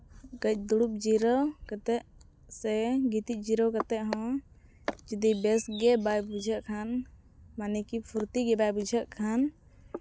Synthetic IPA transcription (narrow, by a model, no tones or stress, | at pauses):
ɡəc̚ˀd̪uɽup̚d͡ʒiɾɔwkat̪ɛʔ | sɛɡit̪iʔ̚ˀd͡ʒiɾɔwkat̪ɛʔɦɔ̃ | d͡ʒəd̪ibɛsɡɛbajbud͡ʒʱəʔkʰan | manɛkipʰuɾt̪iɡɛbajbud͡ʒʱəʔkʰan